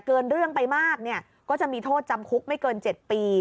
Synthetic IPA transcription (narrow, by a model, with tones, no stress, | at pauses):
kɤː˧nɾɯ˥˩əŋpa˧jmaː˥˩k̚ni˥˩ɐ | kɔː˥˩t͡ɕa˨˩ʔmiː˧t̪ʰoː˥˩t̪̚t͡ɕa˧mkʰu˦˥k̚ma˥˩jkɤː˧nt͡ɕe˨˩t̪̚piː˧